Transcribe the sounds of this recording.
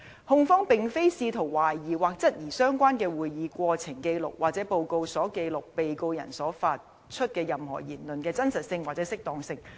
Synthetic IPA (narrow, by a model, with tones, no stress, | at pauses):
hʊ˧ŋfɔː˥ŋpɪ˨˩ŋfe˥jsiː˧t̪ʰʊ˨˩ŋwaː˨˩jːiː˨˩waː˨k̚t͡sɐ˥t̚jiː˨˩sœː˥ŋkʷaː˥nkɛː˧wuː˨jiː˨˧kʷɔː˧t͡sʰɪ˨˩ŋke˧jlʊ̰˨k̚wʔaː˨˩k̚t͡sɛː˨˥po˨˧wko˧wsɔː˨˥ke˧jlʊ˨k̚pe˨jko˧wjɐ̰˨˩nsɔː˨˥faː˧t̚ | t͡ʃʰɵ˥t̚kɛː˧jɐ˨mhɔ̰ː˨˩jiː˨˩nlɵ˨nkɛː˧t͡sɐ˥nsɐ˨t̚sɪ˧ŋwaː˨k̚t͡sɛ˨˥sɪ˥k̚t̪ɔː˧ŋsɪ˧ŋ